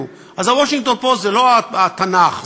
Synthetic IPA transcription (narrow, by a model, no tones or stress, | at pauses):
u | ʔazawoʃĩŋɡ̚t̪o̞npo̞tzelo̞aat̪anaχ